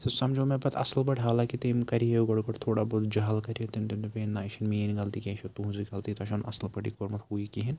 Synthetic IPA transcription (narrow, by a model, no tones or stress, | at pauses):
t̪ɐsɐmd͡ʒoːmẽbɐt̪ʰɐ̰slbɐʈʰɦaːlaːkit̪eːmkɐɾiɦeɡɐɽukɐʈt̪ʰoːɽaːboːd̪d͡ʒɐɦɐlkɐɾiot̪int̪imt̪upeːnːaːiʃinmeːnɡɐlt̪ikʲɐʃɐt̪uɦzikɐlt̪it̪ɐʃɐnʔɐ̰slpɐʈikoɾmɐt̪huikiɦin